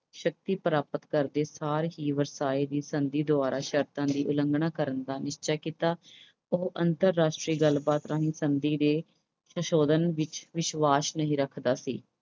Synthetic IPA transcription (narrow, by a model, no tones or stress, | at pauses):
ʃək̚t̪iːpəɾaːpət̪kəɾd̪eːsaːɾɦiːʋəɾsaːiːd̪iːsənd̪iːd̪ʊaːɾaːʃəɾt̪ãːd̪iːʔʊləŋɡɳãːkəɾənd̪aːnɪʃt͡ʃaːkiːt̪aː | oːʔənt̪əɾːaːʃʈɾiːɡəlbaːt̪ɾaːɦĩːsənd̪iːd̪eː | səʃoːd̪ənʋɪt͡ʃʋɪʃʋaːsnəɦĩːɾəkʰd̪aːsḭː